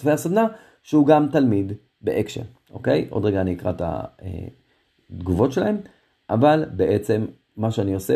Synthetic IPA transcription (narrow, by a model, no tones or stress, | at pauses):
fejasad̪na | ʃeuɡamt̪almid̪ | bḛʔekʃḛʁ | ʔo̞̰ke̞jʔo̞̰d̪ʁeɡaːniːkʁa̰t̪a̰ḛ | d̪ɡuvo̞tʃelahe̞m | ʔavalbeʔet͡se̞mː | aʃeanio̞se